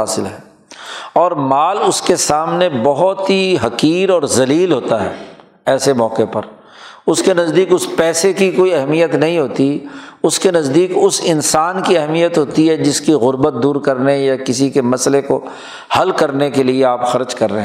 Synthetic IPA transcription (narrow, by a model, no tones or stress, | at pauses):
aːsɪlɦɛː | ɔːɾmaːlʊskesaːmnebɐɦʊt̪ɦiɦɐkiːɾɔːɾzɐliːlɦoːt̪aɦɛ̰ː | ɛːsemɔːqepɐɾ | ʊskenɐzd̪iːkʊspɛːsekikoːiɐɦmijət̪nɐɦĩɦoːt̪iʊskenɐzd̪iːkʊsɪnsaːnkiɐɦmijət̪ɦoːt̪iɦɛd͡ʒɪskiɣʊɾbət̪̚d̪uːɾkɐɾnejakɪsikemɐsleko | hɐlkɐɾnekelieaːpxɐɾd͡ʒkɐɾːeɦ